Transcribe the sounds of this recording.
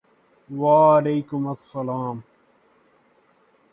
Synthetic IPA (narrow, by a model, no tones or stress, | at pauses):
waːɐleːkʊmɐsːɐlaːm